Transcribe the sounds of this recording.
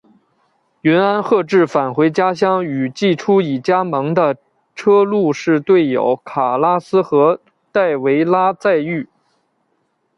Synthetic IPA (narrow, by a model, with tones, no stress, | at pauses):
ɥɛ˧˥na˥nxɤ˥˧ʈ͡ʂɻ̩˥˩fa˨˩nxwe˧˥ɪt͡ɕja˥ɕ̬jɑ˥˩ŋy˨˩t͡ɕi˥˩ʈ͡ʂʰu˥i˨˩t͡ɕja˥mɤ˧˥ŋd̪ə˧ | ʈ͡ʂʰɤ˥lu˥˧ʂɻ̩˥˧t̪we˥˩ɪjo̰˨˩˦ʊkʰa˨˩la˥sɹ̩˥xɤ˧˥ | t̪a˥˩ɪwe˧˥ɪla˥t͡sa˥˧ɪy˥˩